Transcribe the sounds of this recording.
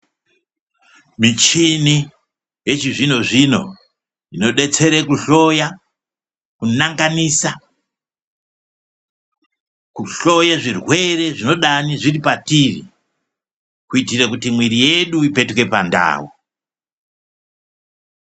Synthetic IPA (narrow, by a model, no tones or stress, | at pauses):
mit͡ʃini | je̞t͡ʃiʐino̞ʐino̞̰ | ino̞ɗe̞t͡se̞ɾekuɬo̞ja | kunaŋɡanisa | kuɬo̞jaʐirwe̞re̞ʐino̞ɗaniʐiripatirḭ | kuitirekutimwiɾije̞ɗuipe̞tke̞panda̰ːwṵ